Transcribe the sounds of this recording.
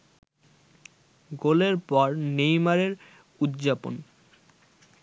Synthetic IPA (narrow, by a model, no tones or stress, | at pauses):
ɡoleɾpɔɾnejmaɾeɾ | ud̪d͡ʑapo̰n